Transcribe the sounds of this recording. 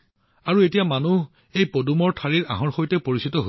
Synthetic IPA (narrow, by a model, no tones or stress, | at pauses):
aɹuetijamanu | ejpodumɔɹtʰaɹiɹa̰ɦɔ̃ɹxojtɛpoɹisitɔɦo